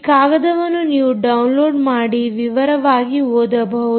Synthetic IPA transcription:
kaːɡɐd̪ɐʋɐnːuniːʋuɖɐwnloːɖmaːɽiʋiʋɐɾɐʋaːɡioːd̪ɐbʱɐ

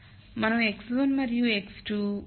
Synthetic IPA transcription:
mɐnɐmekslonmɐɾjueksʈu

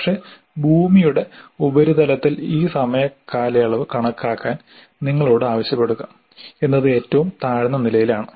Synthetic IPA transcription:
kʂe̞ | bʱuːmijuɽe̞ubɐɾud̪ɐlɐt̪ːiliːsɐmɐjɐkːaːlɐjaɭɐʋɨkɐɳɐkːaːkːaːn | niŋːɐɭo̞ːɽɨaːʋɐɕjɐpːe̞ɽuɣɐ | e̞nːɐðɨe̞ːtːɐʋumt̪aːɻinːɐnilɐjilaːɳɨ

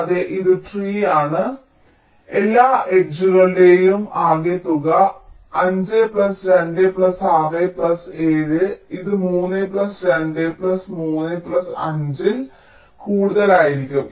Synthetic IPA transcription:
ɐðeʔiðɨʈriːaːɳɨ | elːaːʔeʈ̚d͡ʑuɣɐɭile̞ːjumaːɡet̪ːuɣɐ | ɐɲd͡ʑɨpɭɐsɾenɖɨplɐsaːʋeplɐseːðɨiðɨmuːnːɨplɐsɾenɖepɭlɐsmuːnːɨplɐsɐ̰ɲd͡ʑil | kuːɽuðɐlaːjiɾikʲːum

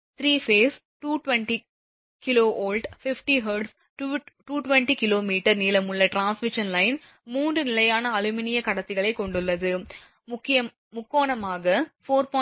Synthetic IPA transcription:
t̪ɾiːfeːs | ʈuːʈʋɛnʈi | kɪloːʔoːlɖfɪfʈiɦɐɾɖs | ʈuːʈʋɛɳʈikɪloːmiːʈɐɾniːlɐmʊɭːɐʈɾaːnsmɪʂɐnlɐɪn | muːndrɯnɪlɐjaːnɐːlʊmɪnɪjɐkɐɽɐt̪ːɪɣɐɭɐɪkːɔɳɖɯlːɐðɯ | ʊkːɪɐ | mʊkːoːɳɐmaːɣɐfoːɾpɔː

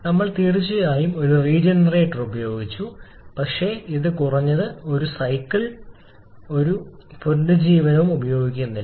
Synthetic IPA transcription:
nɐmːɐɭt̪iːrit͡ɕːɨjaːjumo̞ɾuriːd͡ʑɐnreːʈːɐrubɐjo̞ːɡit͡ɕːu | pɐkʂe̞iðɨkurɐɲːɐðɨo̞ɾusɐjkːiɭ | o̞ɾuponɖɨd͡ʑiːʋɐnɐʋumubɐjo̞ːɡikʲːunːi

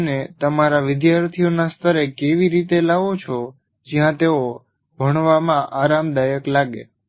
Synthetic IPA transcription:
net̪əmaɾaʋɪd̪jaɾt̪ʰijonast̪ʰəɾekeʋiɾit̪elaʋot͡ʃʰo | d͡ʒjãt̪eo | bʱəɽ̃ʋamãʔaɾamd̪ajəklaɡḛ

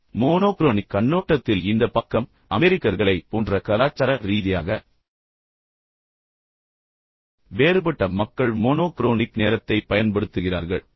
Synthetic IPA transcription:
moːnoːkɾoːnɪkːɐɳːoːʈːɐt̪ːɪlɪnd̪ɐpɐkːɐm | ʔɐmɛɾɪkːɐɾɣɐɭɐɪpoːndrɐkɐlaːt͡ʃːɐɾɐɾiːðɪja̰ːɣɐ | ʋeːɾɯpɐʈːɐmɐkːɐɭmoːnoːkɪɾoːnɪkneːɾɐt̪ːɐɪpɐjɐnpɐɽɯt̪ːɯɣɪra̰ːɾɣɐɭ

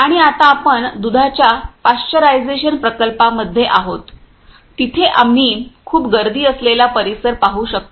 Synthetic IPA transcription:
aɽ̃iat̪aːpəɳd̪ud̪ʱat͡ɕjapast͡ɕəɾajd͡zeɕənpɾəkəlpaməd̪ʱːjeʔaɦot̪ː | it̪ʰeʔamːiːkʰuːpɡəɾd̪iːəslelapəɾisəɾpaɦuːɕək̚t̪o

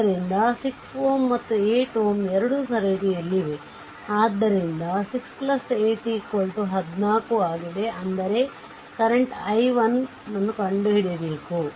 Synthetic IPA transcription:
ɐɾind̪ɐsiksoːmːɐt̪ːueːʈoːmɛɾɐɽusɐɾɐʈiɐlːiʋe̞ | aːd̪ːɐɾind̪ɐsiksplɐseːʈikːoɭʈuɦɐd̪naːkuaːɡid̪e̞ʔɐnd̪ɐɾe̞ | kɐɾeɳʈɐjʋɐn | nɐnːukɐɳɖuɦiɽebe̞ːku

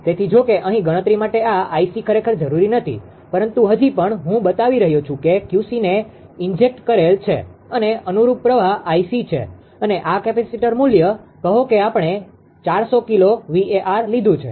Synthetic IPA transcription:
t̪et̪ʰid͡ʒokeʔəɦĩɡəɽ̃ət̪ɾimaʈeaaisikʰəɾekʰəɾd͡ʒəɾuɾinət̪ʰḭ | pəɾənt̪uɦəd͡ʒipəɳɦũbət̪aʋiɾəɦjot͡ʃʰũkekjusine | ɪɲd͡ʒek̚ʈkəɾelt͡ʃʰḛəneənuɾup̚pːɾəʋaʔaisit͡ʃʰḛ | əneʔakɛpɛsiʈəɾmuljəkəɦokeapɳe | t͡ʃaɾsokiloʋieʔaɾlid̪ʱũt͡ʃʰḛ

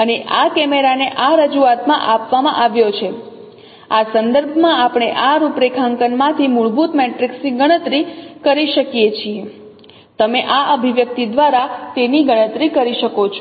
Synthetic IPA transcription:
əneʔakɛmeɾaneʔaɾəd͡ʒuat̪mã̰ʔapʋamã̰ʔaʋjot͡ʃʰe | asənd̪əɾbʱmãapɽ̃eʔaɾupɾekʰãŋkənmãt̪ʰimuɭbut̪meʈɾiksniɡəɽ̃ət̪ɾikəɾiʃəkjet͡ʃʰie | t̪əmeʔaəbʱiʋjək̚t̪id̪ʋaɾat̪eniɡəɽ̃ət̪ɾikəɾiʃəkot͡ʃʰ

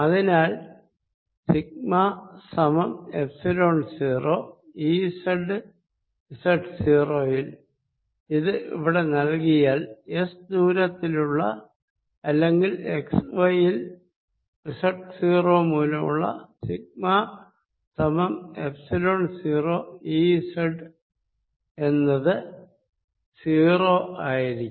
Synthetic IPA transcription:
ɐðinaːl | sik̚masɐmɐmepsilo̞ːɳnsiːroːiːsɐɖɨ | risɐʈːɨsiːro̞ːjil | iðɨʔḭʋiɽe̞nɐlkijaːlesd̪uːɾɐt̪ːiluɭːɐ̰ | ɐlːe̞ŋɡile̞ksʋɐjil | isɐʈːɨsiːroːmuːlɐmṵɭːɐ̰siɡ̚ma | t̪ɐmɐmepsɐloːɳsiːro̞ːiːsɐɖɨ | e̞nːɐðɨ | siːro̞ːaːjiɾikː

